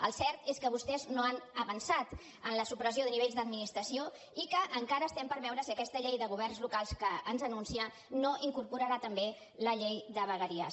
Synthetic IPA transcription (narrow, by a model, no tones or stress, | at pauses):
əlˠsɛɾt̪eskəβ̞ust̪ɛznoanəβənsat̪ | ənləsupɾəzioðəniβeʎzd̪əd̪minist̪ɾəsio | ikəʔːŋkaɾəːst̪ɛmpəɾβɛwɾəsiəkɛst̪əʎejðəɣ̞uβ̞ɛrnzlukalˠskəːnzənunsiə | noʔiŋkuɾpuɾəɾat̪əmbe | ləʎejd̪əβəɣəɾiə